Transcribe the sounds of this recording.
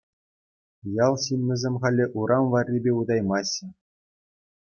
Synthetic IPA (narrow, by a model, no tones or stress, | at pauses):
jɑlˠɕimːʲɘ̆zʲemʲχɑlʲːɘ̆ʔuɾʔɑmʋɑrʲːibʲeud̪ɑjmɑɕːɘ̆